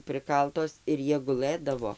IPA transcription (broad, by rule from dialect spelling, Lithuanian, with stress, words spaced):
ˈprɨkɐlˠtoːs ɪr ˈjiɛ ɡʊˈlˠɘdɐʋoː